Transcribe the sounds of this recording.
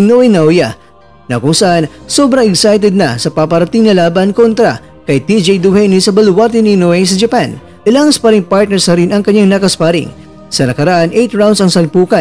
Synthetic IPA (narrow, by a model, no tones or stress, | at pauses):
noɛnawja | nɐkʊŋsɐʔanso̞bɾɐŋɛɡsajt̪̬ɛd̪̚nɐ̰sɐpapɐɾɐt̪ɪŋnɐlaːbɐnko̞nt̪ɾɐ̰ | kɐjt̪id͡ʒejd̪uhɛjnisɐbɐlwaɾt̪ɪninoɛjs̬ɐd͡ʒɐpan | ʔɪlaŋɐspɐɾɪŋpaɹt̪̚nɛɾsnɐɾɪnɐŋkɐɲːaŋnakɐspaɾɪ̰ŋ | sɐnɐkɐɾɐʔanʔejt̪ɹaw̃nd̪sɐŋsɐlpuːkɐ